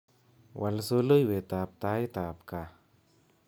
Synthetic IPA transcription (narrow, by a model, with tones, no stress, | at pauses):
walso˧ləjwe˨t̪ap̚t̪a˧jt̪a˨p̚ka